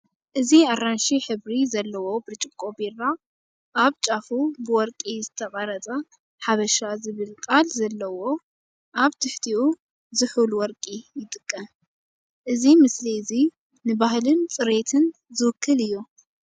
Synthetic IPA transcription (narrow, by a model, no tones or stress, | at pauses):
ʔɨziaɾanʃiħɨβɾizɐlːɐwo̞bɾt͡ʃʼɪkʼobiɾa | ʔaβt͡ʃʼafubɨwɔɾkʼizɨt̪ʰɐqʼɐɾɐt͡s̪ʼɐ | ħaβɐʃazɨβɨlkʼalzɐlːɐwo̞ | ʔaβt̪ʰɨħt̪ʰiʔu | zɨħulwɔɾkʼijɪt̪ʼɨkʼːɐm | ʔɨzimɨsliɨzi | nɨbahlɨnt͡sʼɨɾet̪ʰɨn | zɨwʊkʰːɨlɨjːu